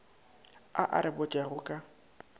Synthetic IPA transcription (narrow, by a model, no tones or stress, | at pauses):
aʔa̰ɾɪbʊt͡ʃʼaɣʊkʼa